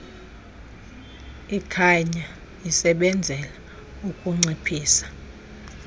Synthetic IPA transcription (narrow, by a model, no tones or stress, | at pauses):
ikʰaɲa | isɛɓɛnd͡zʱɛla | ukʼuŋ͡ǀipʰiːsḁ